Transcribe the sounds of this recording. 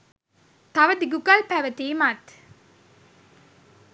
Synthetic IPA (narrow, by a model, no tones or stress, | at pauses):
t̪aʋəd̪iɡukalpæʋət̪eːmat̪